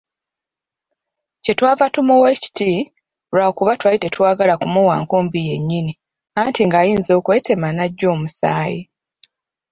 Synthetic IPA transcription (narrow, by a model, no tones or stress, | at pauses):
ce̞twaːvatumuweci̥ti | ɾaokuβatwajite̞twaːɡalakumuwa̰ːŋkoːmbije̞ɲːini | antʰiŋɡaːjiːnzo̞ːkwe̞ːte̞manaɟːo̞ːmusa̰ːji